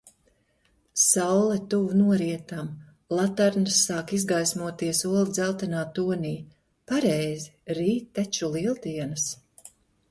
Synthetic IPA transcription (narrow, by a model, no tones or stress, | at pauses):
sawlˠɛt̪uvunuɔɾiɛt̪am | lˠat̪aɾnasːaːkizɡajsmuɔt̪iɛsuɔlid̪zɛlˠt̪anaːt̪ːuɔniː | paɾɛjziɾiːt̪̚ːat͡ʃulˠilˠt̪iɛnɨs